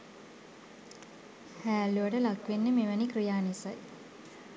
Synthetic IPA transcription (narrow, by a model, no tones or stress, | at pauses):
hæːluʋəʈəlakʋenːəmeʋənikrijaːnisaj